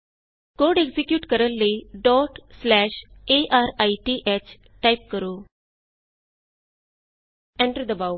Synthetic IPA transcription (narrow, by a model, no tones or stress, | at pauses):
koɖeɡsikjuːʈkəɾəlːiɖɔːʈslæːɕeʔaɾajʈiːʔet͡ɕ | ʈajp̚kəɾuː | ẽɳʈəɾd̪əbaw